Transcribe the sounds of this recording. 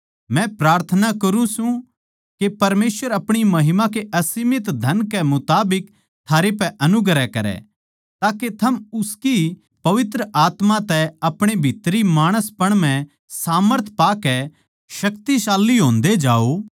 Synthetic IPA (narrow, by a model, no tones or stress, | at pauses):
mɛ̃pɾaːɾt̪ʰənakɐɾũsũ | kepɐɾmeːsʋəɾɐpɽ̃imɐɦɪmãkeʔɐsimɪt̪d̪ʱɐnkɛmʊt̪aːbɪk | t̪ʰaːɾepɛʔɐnʊɡɾɛkɐɾɛ̰ | t̪aːket̪ʰɐmʊski | pɐʋɪt̪ɾəʔaːt̪mat̪ɛɐpɽ̃ebʱiːt̪ɾimaːɽ̃əspɐɽ̃m̤ɛ̃ | saːməɾt̪ʰpaːkɛ | ʃɐkt̪isaːlːiɦõːnd̪ed͡ʒaːo